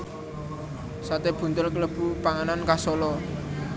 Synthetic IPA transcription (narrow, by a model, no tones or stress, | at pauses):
sat̪eb̥ṳnt̪ʊlkələb̥ṳpaŋanankasɔlɔ